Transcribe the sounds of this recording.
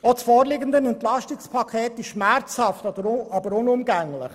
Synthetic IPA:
ot͡sfɔːɾlɪɡənd̪ənɛnt̪lɑʃtɪkspʰɑkʰeːt̪ɪʃʃmæɾt͡shɑftdəɾɑbəɾʊnʊmɡæŋlɪ̰χ

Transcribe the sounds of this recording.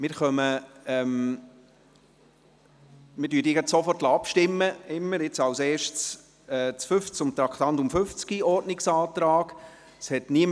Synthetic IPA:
mɪɾχœməɛm | mɪɾdyːdiəɡɑt̪sɔfɔrtlaɑpʃtɪmːəɪmːəɾɪt͡sɑwseːɾʃtt͡s | ɛt͡sfʏft͡sʊmt̪ɾɑkʰt̪ɑntʊmfʏft͡skiɔɾtnɪksɑːt̪ɾɑːɡ̥ | shɛtniəm

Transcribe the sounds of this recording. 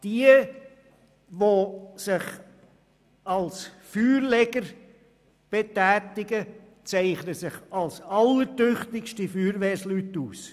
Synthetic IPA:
d̥iə | ʋosɪχ | ɑls | fyːɾlɛɡəɾ | b̥etæːtɪɡə | t͡sɛɪχnəsɪχɑlsɑlːəɾtøχtɪkʃtəfyːɾʋɛːɾslytːuːs

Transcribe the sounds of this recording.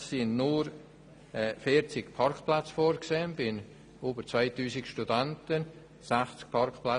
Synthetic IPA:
sɪnnuɾ | ɛfiːɾt͡sɪkpʰɑrkplat͡sfoːɾkseːənbɪn | oːbəɾt͡svaɪtyːsɪkʃtudantən | saχt͡sk̚pʰɑrkpla

